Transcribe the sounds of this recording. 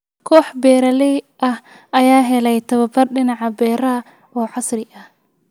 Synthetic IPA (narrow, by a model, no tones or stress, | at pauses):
kʰɔːħbɛːɾɐlɛjʔɐh | ɐjaːɦɛlɛjt̪ʰɐβɐbɐrɖɪnɑʕɑbɛːɾɐɐ | ɔːʕɑsrɪʔɐh